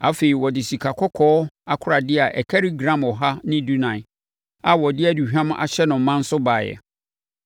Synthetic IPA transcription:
a˦fe˨i˨wɔ˨dɪ˨si˨kʰa˨kʰɔ˦kʰɔː˦a˨kʰʊ˦ɾa˨dɪ˦a˨ʔɛ˨kʰɛ˦ɾi˦ɡɾã˦mɔ˨ɦa˦nɪ̃˦du˦nã˨ɪ˨ | a˨wɔ˨dɪ˦æ˦˨du˨hᶣã˦m˦ʔa̰˨ɕɛ˦nʊ̃˨m̩˨˦mã˦n̩˦sʊ˦baː˨jɛ̰˨

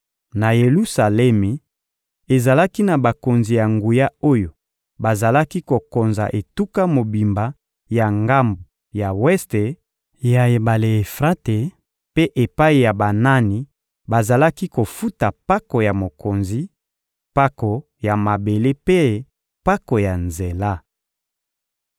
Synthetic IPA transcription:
na˨je˨lu˦sa˨lɛ˦mi˨ | e˨za˨la˦ki˦na˨ba˨ko˨nzi˨ja˨ŋɡu˨ja˦o˦jo˨ | ba˨za˨la˦ki˦ko˨ko˨nza̰˨ʔe˨tu˦ka˦mo˨bi˨mba˨ | ja˨ŋɡa˦mbo˨ | ja˨wɛ˦ste˨ | ja˨e˨ba˨le˨e˨fʁa˦te˨ | pe˦ʔe˨pa˦i˨ja˨ba˨na˦ni˨ | ba˨za˨la˦ki˦ko˨fu˦ta˨pa˦ko˨ja˨mo˨ko˨nzi˨ | pa˦ko˨ | ja˨ma˨be˨le˦pe˦ | pa˦ko˨ja˨nze˨la˦

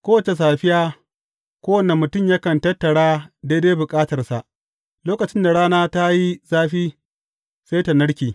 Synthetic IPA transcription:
kʷoː˦wɐ˨t͡ʃe˨s̬aː˨ɸɪ˦jaː˦ | kʷoː˦wɐ˨ne˨mʊ˨tʊ˦mjɐ˦kɐ˨ntɐ˦tːɐ˨ɽaː˦de˦de˦bʊ˨kʼaː˦tɐ˨rsa̰˨ʔ | loː˦kɐ˨t͡ʃɪ˦nda˨ɽaː˦naː˦ta˦ji˦zaː˦ɸiː˦ | se˦jta˨nɐ˦ɽkʲiː˨

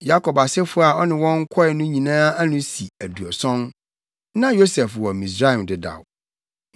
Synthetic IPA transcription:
ja˦kʰɔ˨ba˨sɪ˦fʊ˦a˨ɔ˦nɪ̃˨wɔ̃˦ŋ˦kʰɔ˦ɛ˨nʊ̃˦ɲĩ˨nãː˦a˦nʊ̃˦si˨æ˨du˨ɔ˨sɔ̃˦n | nã˦jo˦sɛ˨fwɔ˨mĩ˨s̬ɾa˦ɛ˨mdɪ˨da̰˨w

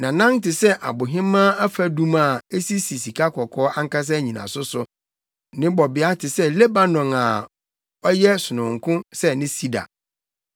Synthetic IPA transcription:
nã˨nã˦n˦tɪ˨sɛ˦ʔa̰˨bʊ˨ɦɪ̃˦mːã˦a˦fa˦dũ˦ma˨e˦si˦si˨si˨kʰa˦kʰɔ˨kʰɔː˦a˦ŋ˦ka˦s̬a˦˨ɲĩ˨nã̰˨sʊ˦sʊ˦ | nɪ̃˦bɔ˨bɪ˨a˦tʰɪ˨sɛ˦le˦ba˨nɔ̃˨ŋa˨ | ɔ˦jɛ˦sʊ˨nʊ̃˨ŋ̩˨kʰʊ̃˦sɛ˦nɪ̃˦si˦da̰˨

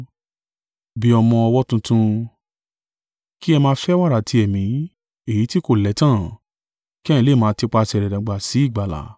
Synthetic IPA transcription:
bi˦ɔ˧mɔ̃˧ɔ˧wɔ˦tũ˧tũ˧ | ki˦ɛ˧mãː˧˦fɛ˦wa˦˨ɾa˨tʰi˧ɛ˨mĩ˨˦ | e˨ji˨˦ti˦ko˦˨lɛ˨˦tã˦˨ | kĩ˦ĩ˧˦le˦˨mãː˨˧ti˧˦k͡pa˧sɛ˧ɾɛ˨ɾɛ̃˨ɡ͡ba˨si˨˦i˦˨ɡ͡ba˨la̰˨˦

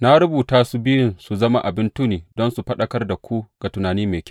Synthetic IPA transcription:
na˦ɽʊ˦buː˨taː˦su˨bɪ˦jɪ˦nsu˨zɐ˦ma˦ʔa˨bɪ˦ntu˦niː˨dɔ˦nsu˨ɸɐ˦ɗɐ˦kɐ˦rda˨kʷu˦ɡ̥a˨tʊ˨naː˨niː˦meː˨kʲ

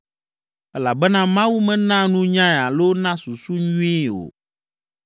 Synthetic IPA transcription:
ɛ˦la˨bɛ˦nã˦mã˦wu˦mɛ̃˦nã˦nũ˦ɲã˦ɛ˨a˨lo˦nã˦su˨su˦ɲũ˦i˦o̰˨

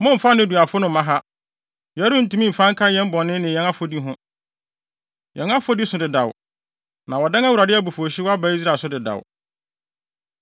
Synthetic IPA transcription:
mʊ̃˦m̩˨fa˦nɪ̃˦˨du˨a˨fʊ˦nʊ̃˨m˦mã˦ɦa˦ | jɛ˨˦ɾũ˦n̩˦tu˦mĩ˦m̩˨fã˦ŋkʰa˦jɛ̃˦m̩˦bɔ̃˨nːɪ̃˦nɪ̃˨jɛ̃˦ŋa˦fo˨˦di˦ɦʊ̃˦ | jʔɛ̰̃˨ŋa˦fo˦di˦sʊ̃˨dɪ˨da˨w | nã˨wɔ˨da˦ŋa˦wu˨ɾa˨dɪ˦a˦˨bo˨fo˨ɕi˦wa˦ba˦i˦s̬ɾaː˦˨sʊ˦dɪ˨da̰˨w

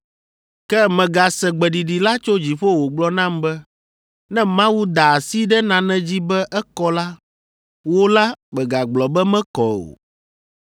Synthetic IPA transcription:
kɛ˦mɛ̃˨ɡa˨sɛ˨ɡ͡bɛ˨ɖi˨ɖi˨la˦t͡ʃo˦d͡ʑi˨ɸo˦wo˨ɡ͡blɔ˦nã˦mbɛ˦ | nɛ̃˦mã˦wu˦d̪a˨si˦ɖɛ˦nã˨nɛ̃˦d͡ʑi˦bɛ˦ʔɛ˦kɔ˦la˦ | wo˦la˦mɛ˨ɡa˨ɡ͡blɔ˨bɛ˦mɛ̃˦kɔ˨o̰˨

